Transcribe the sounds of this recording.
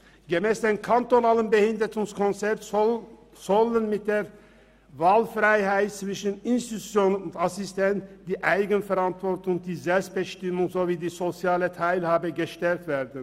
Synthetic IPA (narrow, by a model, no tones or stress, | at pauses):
ɡ̥əmeːsd̪eːnkʰant̪onaːlənbəhɪnd̪ətʊŋskʰɔnsɛt | zɔlənmɪt̪̚d̪eːɾ | vaːlfɾaɪhaɪt̪̚t͡svɪʃənɪnst̪it̪u̥t͡sjoːnənʊnt̪asɪst̪ʰɛntd̥̪iːʔaɪɡənfɛɾɑnt̪vɔɾtʊŋd̥̪iːzɛlpst̪̚b̥əʃtɪmʊŋzoːviːd̪iːsosɪɑːlət̪ʰaɪlhaːbəɡəʃtɛlt̪veːɾd̪ən̩